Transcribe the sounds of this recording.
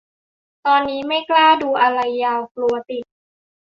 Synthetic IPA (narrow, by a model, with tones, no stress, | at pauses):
t̪ɔː˧nːiː˦˥ma˥˩jklaː˥˩duː˧ʔa˧ɾa˧jːaː˧wklu˧ɐt̪i˨˩t̪̚